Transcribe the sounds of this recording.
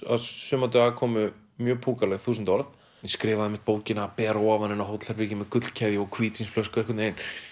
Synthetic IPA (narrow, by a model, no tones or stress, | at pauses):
a̰ðsʏːmat̪̬ʏaːkʰɔːmʏ | mjœːpʰuːkalɛɣθuːsnt̪ɔɾθ | jɛskɾɪːvaðɛmɪht̪̚poːwcɪnapɛːɾawavanɪnaɦowt̪l̥aɾpɪcɪmɛðkʏt̪l̥cʰɛðjɪɔɣkʰviːt̪ʰinsflœskʏɛhkʏt̪nejn